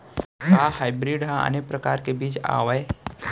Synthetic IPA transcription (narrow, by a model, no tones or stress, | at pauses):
kaːhajbɾiːɖɦãə̰nek̚pɾəkaːɾkebiːt͡ʃa̰ʋəe